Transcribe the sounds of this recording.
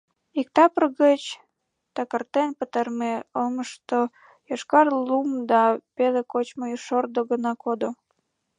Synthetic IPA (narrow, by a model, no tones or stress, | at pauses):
ik̚t̪ɑprɣət͡ɕ | t̪ɑkərt̪enpət̪ərmeoməʃt̪o | jɑʃkɑrlumd̪ɑpelekot͡ɕməjʃord̪oɣənɑkod̪o